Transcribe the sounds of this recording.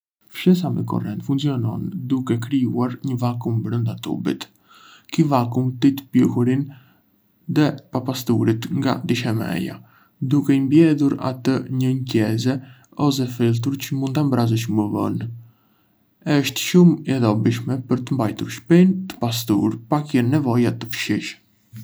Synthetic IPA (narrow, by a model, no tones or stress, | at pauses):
fʃɛs̬amɛkɔ̰rɛnt̪fuŋkt͡siɔnɔ̰nd̪ukɛkɾiuaɾɲəvakumbɾənd̪at̪ṵbḭt̪ | kivakumt̪it̪ə̥pjuhuɾin | ðɛpapast̪uɾit̪ŋɡa̰d̪iʃɛmɛ̰ja̰ | d̪ukɛimbjɛðuɾa̰t̪əɲəɲcɛzɛ | ɔs̬ɛfilˠt̪̬uɾt͡ɕəmunt̪ambɾazəʃ̬məvə̰n | ɛəʃt̪ʃumɛðɔbiʃmɛpəɾt̪əmbajt̪uɾʃpɛnt̪ə̥pas̬t̪uɾpakjɛnːɛvɔjat̪əfʃiʃ